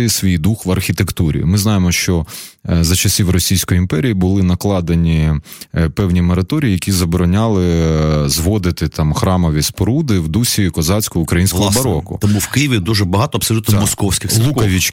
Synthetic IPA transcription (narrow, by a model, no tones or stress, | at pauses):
sʋʲijd̪uxʋɐrxʲit̪ekt̪uɾʲḭmɪznɑjemɔʃt͡ʃɔzɐt͡ʃɐsʲiwrɔsʲijsʲkɔjiimpɛɾʲijibʊlˠɪnɐklˠɑd̪enʲi | pɛwnʲimeɾɐt̪ɔɾʲijijɐkʲizɐbɔɾɔnʲɑlˠɪzʋɔd̪ɪt̪ɪt̪ɑmxɾɑmɔʋʲispɔɾud̪ɪwd̪usʲikɔzɑt͡sʲkʊʊkɾɐjinsʲkɔbɐɾɔkʊ̰t̪ɔmuwkɪjɪʋʲid̪uʒɛbɐɦɑt̪ɔɐbsɔlʲut̪nɔmɔskɔwsʲkɪxlˠukɐʋʲit͡ʃ